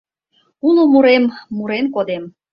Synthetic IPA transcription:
unomuɾemːuɾenkod̪em

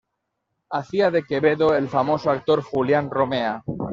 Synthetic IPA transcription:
aθiaðeke̞βeðoelfamo̞soak̚t̪o̞ɾxuljanromea

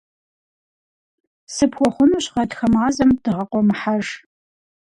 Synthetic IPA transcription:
sɨpʰxʷɔχʷʊnuɕʁɐtxɐmaːzɐmdɨʁɐqʷɔmħaʒ

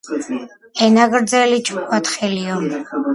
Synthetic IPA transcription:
ɛnaɡɾd̪zɛlit͡ʃʰʼkʰwat̪ʰχɛliɔ

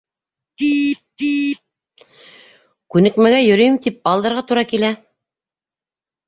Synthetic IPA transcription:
kʉnɘ̆kmæɡæjɵ̆ɾɵ̆jɘ̆mt̪ip̚ɑlˠd̪ɤ̆ɾʁɑt̪uɾɑkilæ

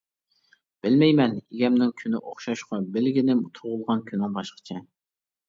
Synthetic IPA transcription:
b̥ɪlmɛjmɛniɡʲɛmnɪŋkʲʰynɪ̰ʔoχʃɑʃqʰɑbɪlɡʲinɪmut̪ʰʊʁʊlˠʁɑnkʲʰynːɪŋbɑʃqə̥t͡ʃʰɛ

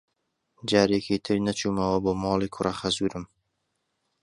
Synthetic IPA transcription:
d͡ʒaːɾekʰit̪ʰɨɾnɐt͡ʃʰuːmɐwɐboːmɑːlˠiːkʰʊrɐχɐzuːɾɨm

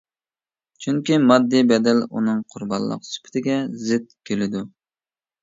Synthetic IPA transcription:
t͡ʃʰyŋkʲimɑd̪ːibɛd̪ɛlṵnɨŋqʰʊɾbɑ̰nlˠːə̰qsy̥pʰɪ̥t̪ʰɪɡʲɛzɪt̪̚kʲʰølɪd̪u

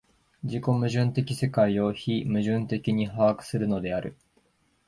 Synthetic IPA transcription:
d͡ʑiko̞mɯ̟ʑɨ̃nt̪e̞kʲise̞kaio̞çimɯ̟ʑɨ̃nt̪e̞kʲiɲ̟iɦaakɯ̟̥sɨɾɯ̟no̞d̪e̞aɾɯ̟

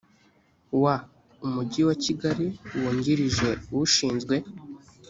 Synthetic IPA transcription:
wa | umuɟiwaciɡaɾiwoːɲɟiɾiʒe̞uwuʃiːnzɡwe̞

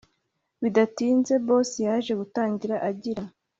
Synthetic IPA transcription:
βidatiːnze̞bo̞ːsejaʒe̞ɡutaːɲɟiɾaʔaɟiɾa

